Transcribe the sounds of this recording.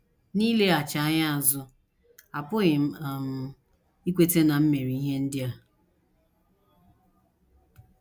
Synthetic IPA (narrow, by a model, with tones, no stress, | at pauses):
niː˦le˦a˨t͡ʃa˨a˦ɲa˦a˨zʊ˦ | a˨pʊ˦ɣɪ˨m̩˦˨m˨ | i˦kʷe˦te˦na˨m̩˦me˨ɾi˨i˦ɦe˦n̩˦dɪ˦a˨